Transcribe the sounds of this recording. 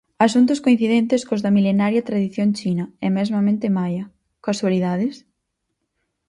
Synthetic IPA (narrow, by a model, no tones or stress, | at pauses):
asunt̪̬ʊskoin̟θiðent̪eskozðɐmilenaɾjɐt̪ɾaðiθjoŋt͡ʃinɐɛmɛzmɐmẽnt̪emajɐ | kaswaliðaðɪs